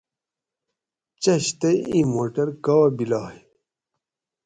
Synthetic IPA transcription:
t͡ɕɐɕt̪ɐjĩmoːʈɐɾkɐwɐbilaːj

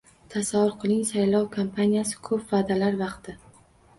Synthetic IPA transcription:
t̪ʰasavːʊɾqʰɨlˠɪŋsajlˠɒwkʰompʰanijasɪ̥kʰɵpvaːd̪alaɾvɑqt̪ɪ

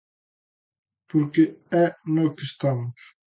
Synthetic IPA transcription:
poɾkeɛnɔkest̪amʊs

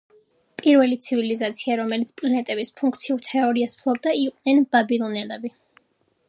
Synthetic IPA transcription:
pʼiɾvɛlit̪sʰivilizat̪sʰiaɾɔmɛlit̪sʰpʼlanɛt̪ʼɛbispʰuŋkʰt̪sʰiuɾt̪ʰɛɔɾiaspʰlˠɔb̚d̪aiqʼnɛnb̥abilˠɔnɛlɛbi

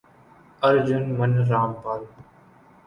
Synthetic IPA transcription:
əɾd͡ʒʊnmənɾaːmpaːl

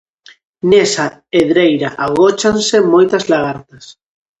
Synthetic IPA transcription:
nesa | eðɾejɾaʔaɣot͡ʃansemojt̪azlaɣaɾt̪as

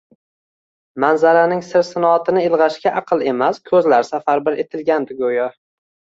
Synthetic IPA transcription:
manzaɾanɪŋsɪɾsɪnɒːt̪ʰɪnɪɪlˠʁɑʃkʲaʔɑqʰɨlˠe̞maskʰɵzlaɾsafaɾbɪɾet̪ʰɪlɡʲand̪ɪɡojɒ

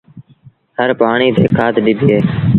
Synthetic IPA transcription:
həɾpaːɳiːt̪eːkʰaːt̪ɗɪbʱiːɦeː

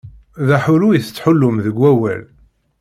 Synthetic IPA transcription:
ðæħʊlujiθət͡sːħʊlːʊmðəɡʷːæwæ̰l

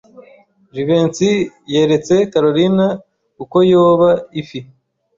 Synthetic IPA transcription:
ʒiβe̞ːnt͡sije̞ːɾe̞t͡se̞kaɾo̞ɾina | kuko̞joːβaifi

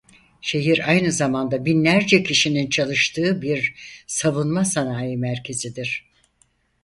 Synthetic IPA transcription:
ʃe̞ɦiɾajnɯzamand̪abinlʲæɾd͡ʒɛcʰiʃinint͡ʃʰalˠɯʃt̪ʰɯːbiɾsaβunmasanaːjɯmæɾcʰe̞zid̪iɾ̝̥

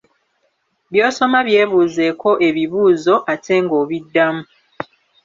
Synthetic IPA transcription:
βjo̞ːso̞maβje̞ːβuːze̞kʰo̞ʔe̞βiβuːzo̞ʔate̞ŋɡo̞ːβidːamu

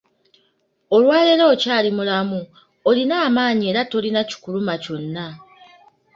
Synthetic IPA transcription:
o̞lwaːle̞lo̞ːcaːlimulamu | olinaːmaːɲie̞ːɾato̞linaci̥kulumaco̞nːa

